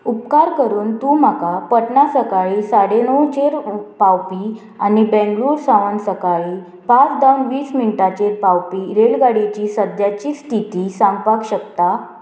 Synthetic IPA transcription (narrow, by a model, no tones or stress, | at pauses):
upkaɾkəɾuːnt̪ũm̤akapəʈnasəkaɭisaɽenɔwt͡ɕeɾpawpi | anibɛ̃ŋɡluːɾsaʋənsəkaɭi | pat͡sd̪awnʋiːsminʈat͡ɕeɾpawpiɾeɭɡaɽit͡ɕiːsəd̪jat͡ɕiːsʈʰit̪isãŋɡpakɕəkt̪a